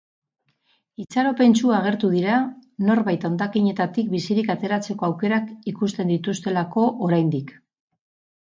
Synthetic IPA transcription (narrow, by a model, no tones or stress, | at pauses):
it͡saɾo̞pe̞nt͡suaːɣ̞e̞ɾt̪uð̞iɾano̞ɾβajt̪ao̞nd̪akiɲe̞t̪at̪ik̚bisiɾikat̪e̞ɾat͡se̞ko̞awke̞ɾakikust̪e̞nd̪it̪ust̪e̞lako̞ʔoɾajnd̪ik